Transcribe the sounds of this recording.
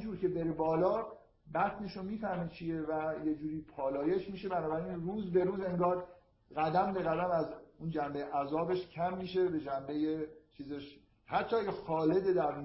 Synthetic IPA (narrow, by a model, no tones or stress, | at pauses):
d͡ʒuːɾcʰe̞beɾibɒːlɒː | bæt̪neʃomiːfæhmit͡ʃʰije̞væjed͡ʒuːɾiːpʰɒːlɒːje̞ʃmiːʃe̞bænɒːbæɾinruːzbe̞ɾuːze̞ŋɡɒːɾ | ɣæd̪æmbeɣæd̪æmæzund͡ʒæmbejeʔæzɒːbeʃcʲʰæmːiːʃe̞be̞d͡ʒæmbe̞jet͡ʃʰiːzeʃ | hæt̪ʰːɒːæjexɒːle̞d̪ed̪æɾn